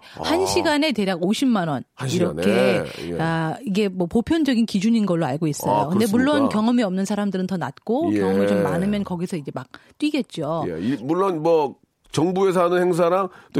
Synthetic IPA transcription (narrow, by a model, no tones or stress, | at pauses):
hanɕʰiɡane̞te̞ɾjaɡoɕʰimːanwʌniɾʌkʰe̞aiɡe̞mwʌpopʰjʌnd͡ʑʌɡinkid͡ʑuɲinɡʌɭːoa̰ɭɡois͈ʌjokɯnde̞muɭːonkjʌŋʌmiʌmnɯnsʰaɾamdɯɾɯntʌnat̚k͈okjʌŋʌmit͡ɕomːanɯmjʌnkʌɡisʰʌid͡ʑe̞mak̚t͈wɥiɡe̞t̚t͡ɕ͈o̰imuɭːonmwʌ | t͡ɕʌŋbues̬ʰanɯnheŋs̬ʰaɾaŋt͈o